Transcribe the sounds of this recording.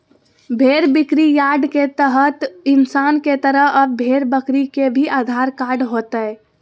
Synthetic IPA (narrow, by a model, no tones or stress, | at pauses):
bʱeɾbikɾijaɖket̪əɦət̪ɪnsanket̪əɾəɦəbbʱeɾbəkɾikebʱiʔad̪ʱaɾkaɾɖɦot̪əe